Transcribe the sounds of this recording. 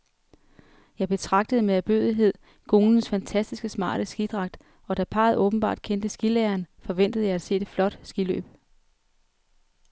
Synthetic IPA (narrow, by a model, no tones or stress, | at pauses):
jɑ̈ɪb̥e̝t͡sʰʁɑ̈ɡ̥d̥əð̞̩ˠəmeæb̥øðˠiɦe̝ð̞̰ˠ | ɡ̥o̝ːnn̩sfænt͡sʰæsd̥isɡ̥əsmɑ̰̈ːɾ̥əsɡ̥id̥ʁɑ̈ɡ̥̚d̥ | ɒ̽d̥æpʰɑ̰̈ːðˠɔ̽ːb̥n̩b̥ɑ̰̈ːd̥̚kʰend̥əsɡ̥ileɐnfɒ̽ʋen̰d̥əð̩ˠjɑ̈ɪæd̥se̝̰ːe̝d̥flɒ̽d̥sɡ̥ilø̰ːb̥